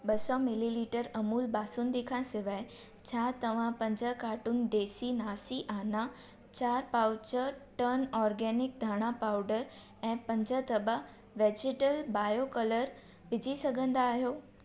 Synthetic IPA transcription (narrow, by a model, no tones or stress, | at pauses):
ɓɐsɔmɪliliːʈəɾɐmuːlbaːsʊnd̪ekʰãsɪʋaːe | t͡ɕʰat̪ɐʋ̤ãpɐ̃ɲd͡ʑəkaːʈʊnd̪eːsinaːsiʔaːna | t͡ɕaːɾpaːʊt͡ɕəɾʈənɔːɾɡɛnɪk̚d̪ʱaːɽ̃apaːʊɖəɾ | ɛ̃ːpɐ̃ɲd͡ʑət̪ɐbə | ʋeːd͡ʑɪʈəlbaːjokɐləɾ | ʋɪd͡ʑʱisɐɡʱə̃nd̪aːɦjoː